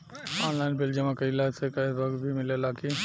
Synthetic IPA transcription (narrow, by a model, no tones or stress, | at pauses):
ɔnlaɪnbild͡ʒəmakəilasʰekəibəɡbʱimilelaki